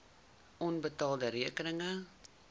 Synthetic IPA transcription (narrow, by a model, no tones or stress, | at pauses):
ʔɔnbətɑːlˠdəɾiəkənəŋə